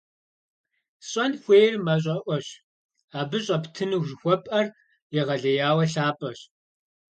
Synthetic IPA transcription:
ɕʼɐnxʷeːjrmɐɕ̬ʼɐʔʷɔɕ | aːbɨɕʼɐptʰɨnɨʒɪxʷɔpʼɐr | jɛʁɐɮɐjaːwɐɬaːpʼɐɕ

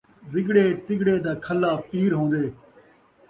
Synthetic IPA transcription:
zɪɡɽeːt̪ɪɡɽeːd̪aːkʰəlːaːpiːɾɦõːnd̪eː

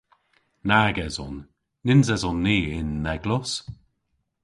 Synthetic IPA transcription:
naɡɛzɔnː | ɪnzɛzɔnːiːɪnːɛɡlɔs

